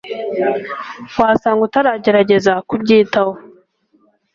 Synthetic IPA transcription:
waːsaːŋɡutaɾaɟeɾaɟe̞zakubɟiːtawo

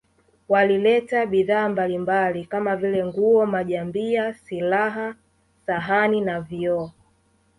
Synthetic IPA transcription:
walilɛtaɓiðaːmbalimbalikamavilɛŋɡuɔmaʄambiasilaɦa | saɦaninaviɔ

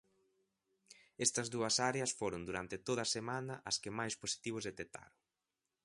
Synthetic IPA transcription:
ɛst̪ɐzðuɐsaɾeɐsfoɾʊnd̪uɾant̪ɪt̪oðɐsemanɐʔɐskɪmajsposi̥t̪iβ̞ʊzðet̪ek̚t̪ʰa̰ɾoŋ

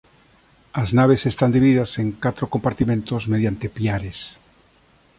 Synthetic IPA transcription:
aznaβ̞esest̪and̪iβiðiðaseŋkat̪ɾokompaɾt̪imẽnt̪ozmeð̞jant̪epjaɾes

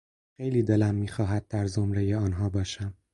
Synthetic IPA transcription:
xejliːd̪e̞læmːiːxɒːɦæd̪̚d̪æɾzo̞mɾejeɒːnɦɒːbɒːʃæm

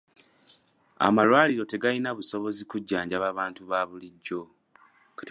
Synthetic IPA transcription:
a̰malwaːliɾo̞te̞ɡalinaβuso̞βo̞zikuɟːaːɲɟaβaβaːntuβaːβuliɟːo̞ | k

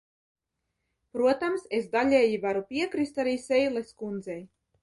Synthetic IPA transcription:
pɾuɔt̪amsezd̪alʲeːjivaɾupʲiɛkɾist̪aɾiːsʲɛjlˠeskund̪zɛj

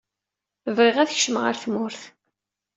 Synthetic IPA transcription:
vʁeʁæθçʃəmʁə̰ɾθmʊɾθ

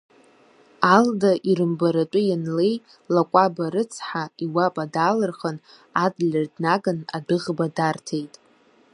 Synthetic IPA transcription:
aldaʔiɾɨmbaɾat͡ʃʷʼʊjanle̞j | lakʷʼabaɾɨt͡sʰħaiwapʼadalɨrχən | adlʲɨrdnaɡanadɨʁbadartʰejtʼ

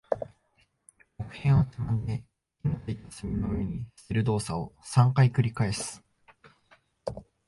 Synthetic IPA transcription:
okɯ̟̥hẽ̞ɰ̃βat̪imãnd̪e̞ | inot̪eit̪asɨmʲinoɯ̟eɲ̟i̥sɨɾɯ̟d̪o̞ːsao̞sãŋkaikɯ̟ɾʲikae̞sɨ̥

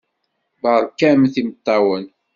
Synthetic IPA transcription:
bɑɾˤkːæmθimət̪ˤːɑwən

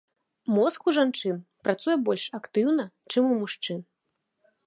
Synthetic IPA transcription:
mɔskuʐant͡ʂɨnpɾat̪sujɛbɔlʲʂakt̪ɨwnɐt͡ʂɨmumuʂt͡ʂɨn

